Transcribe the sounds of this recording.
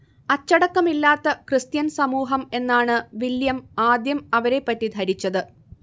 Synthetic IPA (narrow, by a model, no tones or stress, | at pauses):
ɐt͡ɕːɐɽɐkːɐmilːaːt̪ːɐkrɨst̪jɐnsɐmuːɦɐme̞nːaːɳɨʋiljɐmaːd̪jɐmɐʋɐɾe̞pːɐtːid̪ʱɐɾit͡ɕːɐðɨ